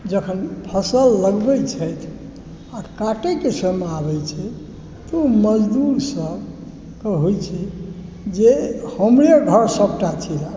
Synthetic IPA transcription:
d͡ʒəkʰənpʰəsəlːəɡbɛjt͡ʃʰəjt̪ʰ | akaʈekisəmabɛjt͡ʃʰɛ | t̪ɔuməd͡ʒd̪uɾsəb | kəɦojt͡ʃʰi | d͡ʒehəmɾeɡʱəɾsəb̚ʈat͡ʃʰiɾa

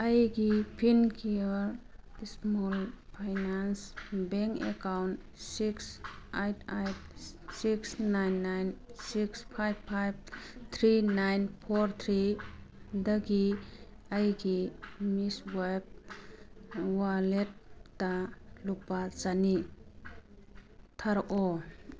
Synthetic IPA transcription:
ajɡipʰinkʰiɔɾismɔlpʰajnansbeŋkḛkawnt | siksajtʰajt̚siksnajnːajnsikspʰajb̚pʰajb̚t̪ʰɾinajnpʰoɾt̪ʰɾi | dəɡi | ajɡimisweb̚ | walet̚ːalupːat͡ʃani | t̪ʰaɾʔɔ

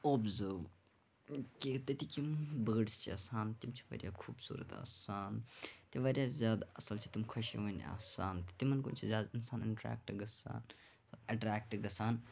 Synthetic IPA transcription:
oːbzəːɾʋ | kit̪ɐt̪ikimbəːɖst͡ʃʰiɐsaːnt̪imt͡ʃʰiʋɐ̰ɾʲja̰ːkʰuːbsṵːɾɐ̰t̪a̰ːsaːnt̪iʋɐɾjaːzʲjaːd̪ɐsɐlt͡ʃʰi̥t̪umkʰɐʃḭʋon̰ʲa̰ːsaːnt̪i̥t̪imɐnkṵnt͡ʃʰizʲjaːd̪insaːniɳʈɾa̰ːk̚ʈɡɐsa̰ːn | ɐʈɾaːk̚ʈɡɐsaːn

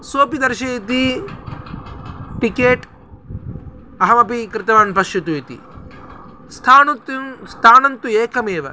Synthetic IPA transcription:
soːpid̪ɐɾʃɐit̪i | ʈikeːʈ | ɐɦɐmɐpikɾɪt̪ɐʋaːnpɐʃjut̪uit̪ḭ | st̪ʰaːnut̪nst̪ʰaːnɐnt̪ueːkʰɐmeːʋɐ̰

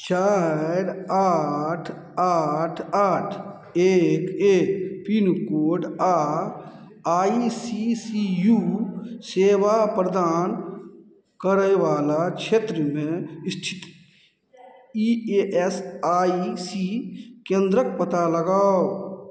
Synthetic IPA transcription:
t͡ʃaːɾaːʈʰ | aʈʰaːʈʰ | eːkeːkpinkoːɖa | aːisisijuseːʋapɾəd̪aːn | kəɾəjʋaːlakʃʰeːt̪ɾəmẽɪst̪ʰɪ̥t̪ | ieʔɛsaːisikẽːnd̪ɾək̚pət̪aləɡaːo

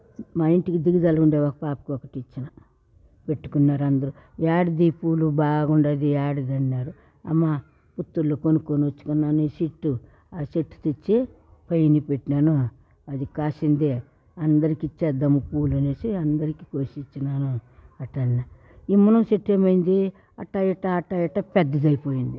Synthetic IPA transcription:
maːiɳʈikid̪iɡid̪ɐlɐɡuɳɖeːʋakɐpaːpɐ̥kiɔkɐʈiit͡ʃːinɐ | peʈːu̥kunːaːɾɐnd̪ɐɾu | jaːɽid̪ipuːlubaːɡɡuɳɖaːd̪iaːɽid̪ɐɳːaːɾu | ɐ̰mːa | put̪ːulːoːkonukoːniʋɐt͡ʃːu̥kunːaːneːsiʈːu | aseʈːt̪it͡ʃːe | pɐjnipeʈːaːnu | ɐd̪ikaːʃind̪e | ɐnd̪ɐɾikit͡ʃɛd̪ːɐmupuːluneːsiɐnd̪ɐɾiki̥koːʃit͡ʃːinaːnuɐʈːɐɳːa | imːɐnɐmseʈːeːmɐjind̪i | ɐʈːɐjiʈːɐːʈːɐjiʈɐpɛd̪ːɐd̪ɐjipo̞ːjind̪i

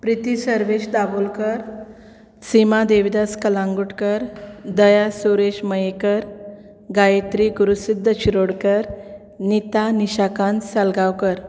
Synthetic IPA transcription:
pɾit̪isəɾʋeɕd̪abulkəɾ | simad̪eʋd̪askəlãŋɡuʈkəɾd̪əjasuɾeɕməjekəɾ | ɡajet̪ɾiɡuɾusid̪ʱːət͡ɕiɾoɽkəɾ | nit̪aniɕakansalɡawkəɾ

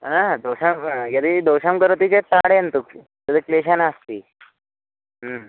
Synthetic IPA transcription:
nad̪oɕamjad̪id̪oɕamkəɾot̪it͡ɕet̪aɽeənt̪uk | j̪əd̪ikleɕanast̪iː

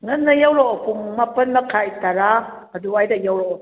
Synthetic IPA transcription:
ŋɐnːɐjawɾaʔokuŋmapɐnmɐkʰajtaɾa | ɐduajdajawɾo

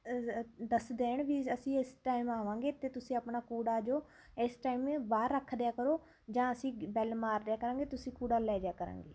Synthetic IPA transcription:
d̪əsd̪eːɳʋiːəsĩːɪsʈaːimaːʋãːŋɡeːt̪eːt̪ʊsĩːəpɳaːkuːɽaːd͡ʒoː | ɪsʈaːimebaːɾːəkʰːd̪jaːkəɾoː | d͡ʒãːəsĩːbɛːlmaːɾd̪jaːkəɾãːŋɡeːt̪ʊsĩːkuːɽaːlɛːd̪jaːkəɾã̰ːŋɡeː

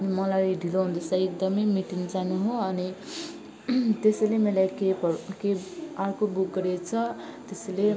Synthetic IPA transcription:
ʌnimʌlajɖʱiloɦund̪esajek̚d̪ʌmʌjmiʈiŋd͡zanuɦoʌni | t̪esʌlemelajkepʌkearkobuk̚ɡʌɾet͡sʰʌt̪esele

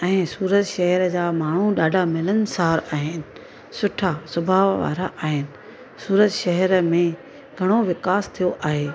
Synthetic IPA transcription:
ɛ̃ːsuːɾət̪ʃɛɦɛɾd͡ʑaːmaːɳ̤uɗaːɖʱamɪlən̆saːɾaːɦɪnɪ̆ | sʊʈʰasʊbʱaːʋʋa̰ːɾaʔaːɦɪnɪ̆ | suːɾət̪ʃɛɦɛɾəmẽ | ɡʱɐɽ̃oʋɪkaːst̪ʰijoʔaːɦeː

